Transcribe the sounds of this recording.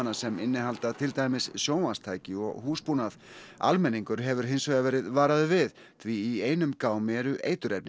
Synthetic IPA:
nasɛmɪnːɪɦalt̪at̪ʰɪlt̪aːjmɪssjoːwmast̪ʰaːjcɪɔ̰ɣhuːspunaða̰lmɛnːiŋkʏɾɦɛvʏɾ̥ɦɪnsvœɣavɛːɾɪðvaːɾaðʏvɪð | θviːeːjnʏmkaːwmɛɾʏʔḛːjt̪ʏɾɛp̪̚nɪ

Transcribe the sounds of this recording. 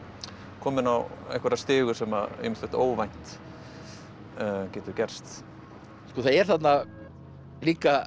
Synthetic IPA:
kʰɔːmɪnawɛ̰jhkvɛɾast̪ɪːɣʏ̥sɛma̰ḛːmɪ̥t̪ɪht̪oːwvajn̥t̪ | cɛːt̪ʏcɛr̥st̪ | skɔːθaðɛɾ̥θat̪na | liːka

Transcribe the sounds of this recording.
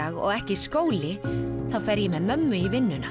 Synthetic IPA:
aɣɔ̰ɣɛhcɪskoːwlɪθawfɛɾjɛmɛðmœmːʏivɪnːʏna

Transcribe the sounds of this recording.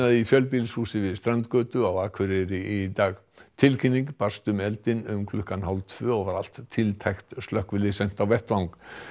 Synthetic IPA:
aðɪifjœlp̬ilshuːsɪvɪðst̪ɾant̪kœːt̪ʏawaːkʰvɪɾɪɾɪit̪aːɣ | t̪ʰɪlkʰinːiŋkpar̥st̪ʏmɛlt̪ɪnʏmkʰlʏhkanɦawlt̪ʰvœːɔɣvaɾal̥t̪ʰːɪlt̪ʰajxt̪st̪lœhkvʏlɪsɛn̥t̪awvɛht̪vawŋk

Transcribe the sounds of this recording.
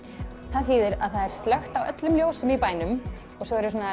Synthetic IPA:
θaðfiːðɪɾaðθaðɛɾ̥st̪lœxt̪awʔœ̰t̪lʏmljoːwsʏmipaːjnʏm | ɔɣsɔɣɛɾʏs̬uːna

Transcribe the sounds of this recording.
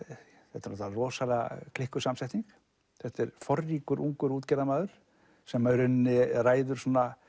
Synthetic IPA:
θɛht̪ɪɾnɔt̪ːarɔːsala̰kʰlɪhkʏsamsɛjht̪iŋk | θɛht̪ɛɾfɔrːiːkʏɾʔuŋkʏɾuːt̪cɛɾðamaːðʏɾ̥ | sɛmœɾʏnːɪraːjðʏɾ̥suːna

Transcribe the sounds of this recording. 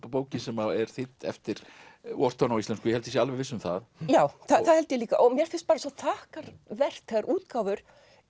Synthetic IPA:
poːwcɪnsɛmaɛɾ̥θɪt̪ɛ̰ft̪ɪɾ̥wɔr̥t̪ʰɔnaɔwist̪ɛnskʏjɛhɛlt̪ɪɪs̬ɛalvɛɾvɪsːʏmθa̰ðjaːwθaθaðhɛlt̪ɪjɛliːka̰ʔɔmjɛɾ̥fɪnst̪paːɾasat̪ʰaːhkaɾvɛr̥t̪θɛɣaɾʔuːt̪kaːwvʏɾ̥

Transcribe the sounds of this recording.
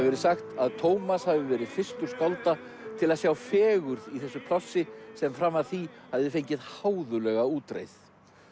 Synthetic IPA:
vɛɾɪsaxt̪aðt̪ʰoːwmashavɪvɛːɾɪðfɪr̥st̪ʏɾ̥skɔwlt̪a | t̪ʰɪlaðsjaːwfɛːɣʏɾðiθɛsːʏpʰlɔsːɪsɛmfɾamːavθihavðɪfejɲcɪðhaːwðʏlɛɣauːt̪ɾḛjθ

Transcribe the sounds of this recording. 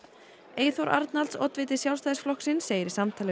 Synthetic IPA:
eːjθowɾʔa̰ɾt̪nalsɔ̰t̪vɪːt̪ɪ̥sjawlst̪aːðɪsflɔksɪnsːeːjɾɪ̥samt̪ʰaːlɪ

